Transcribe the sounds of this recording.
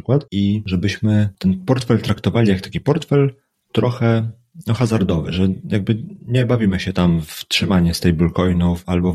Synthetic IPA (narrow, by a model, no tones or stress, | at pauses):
kwat̪iʐɛbɘɕmɘt̪ɛnpɔɾt̪fɛlt̪ɾakt̪ɔvalʲijakt̪ḁkʲipɔɾt̪fɛl | t̪ɾɔxɛ | nɔxazaɾd̪ɔvɘ̰ʐɛjaɡ̚bɘɲɛbavʲimɘɕɛt̪amftʂɘmaɲɛst̪ɛjbulkɔjnufalbɔ